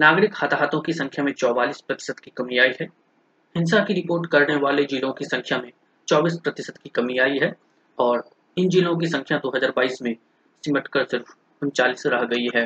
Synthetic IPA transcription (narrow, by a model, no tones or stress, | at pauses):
naːɡɾɪkhat̪ʰɦaːt̪õkisɐ̃ŋkʰjamẽt͡ʃɔːʋaːliːspɾɐt̪ɪ̥səd̪kikɐmiaːiɦɛː | hɪ̃ns̬akiɾɪpoːɾʈkɐɾneʋaːled͡ʒiːlõkisɐ̃ŋkʰjamẽ | t͡ʃɔːbiːspɾɐt̪ɪsəd̪kikɐmiaːiɦɛː | ɔːɾ | ɪnd͡ʒiːlõkisɐ̃ŋkʰjad̪oːɦɐzaːɾbaːiːsmẽ | sɪməʈkəɾsɪɾf | ʊ̃nt͡ʃaːliːsɾɐɦɡɐiɦɛː